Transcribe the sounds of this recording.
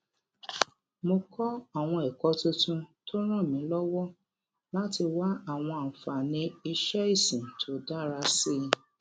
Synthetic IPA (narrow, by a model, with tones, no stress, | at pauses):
mo˧kʰɔ˦a˦˨w̃ɔ̃˧ɛ˨kɔ˨˦tũ˧tũ˧to˦ɾ̃ã˦˨mĩ˨˦lɔ˦wɔ˦ | la˦ti˧wa˦a˦˨w̃ɔ̃˧a˨fa˨nĩ˧i˧ʃɛ˦i˦˨sĩ˨tʰo˨˦da˦˨ɾa˧si˦